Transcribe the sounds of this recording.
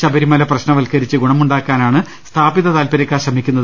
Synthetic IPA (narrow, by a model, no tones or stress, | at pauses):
ɐbɐɾimɐlɐprɐɕnɐʋɐlkɐɾit͡ɕːɨɡuɳɐmuɳɖaːkːaːnaːɳɨ | st̪ʰaːbiðɐt̪aːlpɐɾɐkʲːaːɕrɐmikʲːunːɐðɨ